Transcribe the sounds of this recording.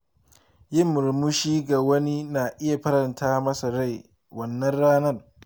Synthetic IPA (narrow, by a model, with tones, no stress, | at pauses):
jɪ˦˨mːʊ˨ɾmʊ˦ʃiː˦ɡa˨wɐ˦ni˦naː˨ʔɪ˦ja˨ɸɐ˦ɾɐ˨ntʰaː˦mɐ˦sɐ˨ɾa˦˨j | wɐ˨nːɐ˦nɽaː˦nɐ˦˨r